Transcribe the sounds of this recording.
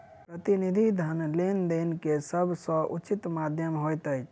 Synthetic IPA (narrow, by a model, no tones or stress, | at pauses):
pɾət̪inid̪ʱid̪ʱənlend̪enkesəbʱsə̃ʔut͡ʃit̪mad̪ʱjəmɦojt̪əj